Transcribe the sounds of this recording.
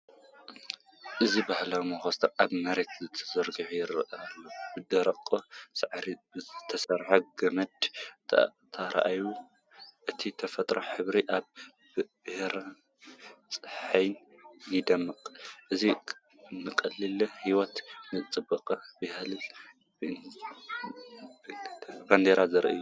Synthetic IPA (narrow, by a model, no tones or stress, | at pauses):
ʔɨzibahlamɐxost̪ʰɐɾʔaβmɐɾet̪ʰzɨt̪ʰɐ̥zɐɾɡɨʕujɪɾɐʔɐalːobɨd̪ɐɾɐqʼːosɨʕɾit̪ʰɐsɐɾħoɡɐmɐd̪ | t̪ʰɐɾʔaju | ʔɨt̪ʰit̪ʰɐfɐt̪ʼɾoħɨβɾiʔaβ | b̥ɨhɾa | t͡sʼɨħajn | jid̪ɐmːɨqʼʔɨzi | nɨkʼɐlːilhiwɔt̪nɨt͡sʼɨbɐqʼɐbɐhalɨ | band̪eɾazɨɾʔa̰ju